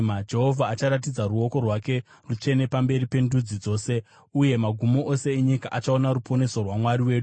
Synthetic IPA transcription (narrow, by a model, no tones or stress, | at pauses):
ad͡ʒe̞ɦo̞vʱaːt͡ʃaɾat̬id͡zaruo̞ko̞rwake̞ | rut͡ʃe̞ne̞pambe̞ripe̞ndud͡zid͡zo̞ːse̞ | uje̞maɡʱumoʔo̞se̞eɲikaʔat͡ʃao̞naɾupʰo̞ne̞sorwamwaɾiwe̞ːɗu